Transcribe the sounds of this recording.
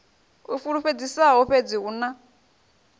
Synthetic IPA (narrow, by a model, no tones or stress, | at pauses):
ufuɺuɸed͡zisaɦɔɸed͡ziuna